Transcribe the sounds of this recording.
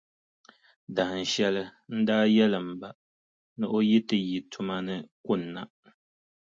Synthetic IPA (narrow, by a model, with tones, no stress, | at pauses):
da˨n̩˨ʃɛ˦lɨ˦n̩˦daː˦jɛ˦lɨ˨m̩˨ba˨ | nɨ˦ʔo˦ji˦tɨ˨ji˨tʰʊ˦ma˦nɨ˦kʊ˦˨n̩ːa̰˨